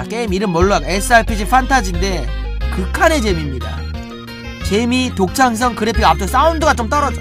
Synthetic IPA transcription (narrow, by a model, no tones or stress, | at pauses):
k͈e̞imiɾɯnmʌɭːoakes͈ɯaɭpʰid͡ʑʰifʰantʰad͡ʑinde̞kɯkʰane̞t͡ɕe̞mimɲida̰ | t͡ɕe̞mitok̚t͡ɕʰaŋs̬ʰʌŋkɯɾepʰiɡap̚t͡ɕ͈os͈aundɯɡat͡ɕ͈omt͈ʌɾʌd͡ʑo